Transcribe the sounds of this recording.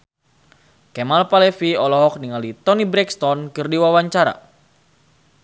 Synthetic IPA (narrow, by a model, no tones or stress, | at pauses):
kɛmalpalɛfiɔlɔɦɔk̚niŋalit̪ɔnibɾɛkst̪ɔnkɨrdiwawaɲt͡ʃaɾa̰